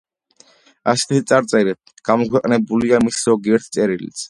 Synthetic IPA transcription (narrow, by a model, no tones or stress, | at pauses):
asɛ̥t̪ʰit̪sʼaɾt̪sʼɛɾɛp̚ | ɡ̥amɔkʰwɛqʼnɛbuliamisɾɔɡiɛɾt̪ʰt̪sʼɛɾilḭt̪sʰ